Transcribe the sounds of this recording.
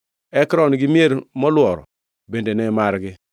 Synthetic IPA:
ɛkɾɔnɡimeɾmɔlwɔɾ̰ | bendenɛmaɾɡɪ

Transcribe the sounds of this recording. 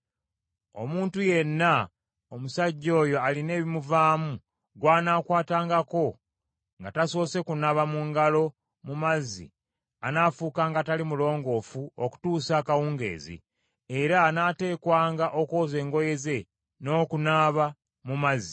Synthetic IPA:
o̞̰muːntuje̞nːa | omusaɟːo̞ːjo̞aline̞ːβimuvaːmu | ɡwaːnaːkwaːtaːŋɡako̞ | ŋɡataso̞ːse̞kunaβamuŋɡalo̞ | mumazːḭ | anaːfuːkaːŋɡatalimulo̞ːŋɡo̞ːfuoku̥tuːsakawuːŋɡe̞̰ːzḭ | eɾaːnaːte̞ːkwaːŋɡaʔo̞ko̞ːze̞ːŋɡo̞je̞ze̞ | no̞ːkunaːβa | mumazi

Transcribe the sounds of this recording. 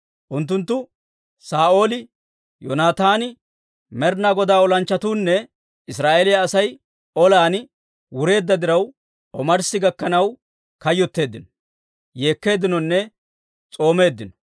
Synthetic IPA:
ʔʊnt̪ːʊnt̪ːʊ | saːʔo̞ːlɪ | jɔnaːt̪aːnɪ | mɛɾnaɡɔd̪aːɔlɐnt͡ʃːɐt̪uːnːɛ | ɪsɾaːʔelɪjɐːsɐj | ɔlaːn | wʊɾe̞ːd̪ːɐd̪ɪɾɐw | ɔmɐɾsɪɡɐkːɐnɐw | kɐjːɔt̪ːe̞ːd̪ːɪnɔ | je̞ːkːe̞ːd̪ɪnɔnːɛ | t͡sʼo̞ːme̞ːd̪ːɪnɔ̥

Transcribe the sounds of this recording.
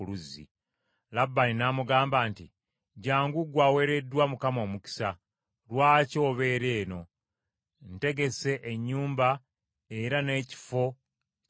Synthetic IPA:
luzḭ | labːaninamuɡaːmbaːnti | ɟaːŋɡuɡwawe̞ɾe̞dːwamukamo̞ːmuki̥sa | ɾwaːco̞ːβe̞ːɾe̞ːno̞ | nte̞ɡe̞se̞ʔeɲːuːmba | e̞ɾane̞ːci̥fo̞

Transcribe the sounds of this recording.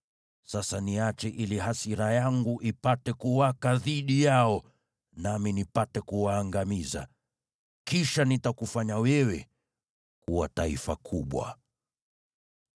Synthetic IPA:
sasaniat͡ʃɛʔiliɦasiɾajaŋɡuʔipatɛkuwakaðiɗijaɔ | naminipatɛkuwaːŋɡamiza̰ | kiʃanitakufaɲawɛwɛ | kuwa̰taḭfakʰuɓwa̰

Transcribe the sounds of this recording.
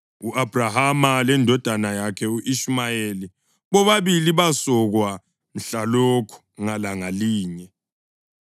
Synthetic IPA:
uʔab̥ʱrahamalɛndʱɔd̥ʱanajakʰɛuʔiʃmajeli | βɔβaβiliβasɔɣwa | m̩ɬalokʰu̥ŋalaŋaliːɲɛ

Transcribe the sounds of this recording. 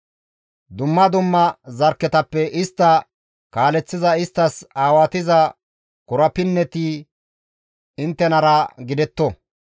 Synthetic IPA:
d̪ʊmːɐd̪ʊmːɐzɐɾkːɛt̪ɐpːɛʔɪst̪ːɐ | kaːlɛt͡sːɪzɐɪst̪ːɐsaːwat̪ɪzɐ | kʊɾɐpɪnːɛt̪iː | ɪnt̪ːɛnɐɾɐɡɪd̪ɛt̪ːɔ

